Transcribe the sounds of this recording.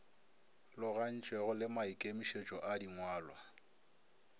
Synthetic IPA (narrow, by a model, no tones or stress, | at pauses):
lʊɣan̩t͡ʃʼweɣʊlɪmaikʼemiʃet͡ʃʼɔʔadiŋwaːlwa